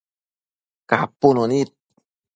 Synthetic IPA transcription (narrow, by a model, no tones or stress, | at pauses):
kapunonit̪̚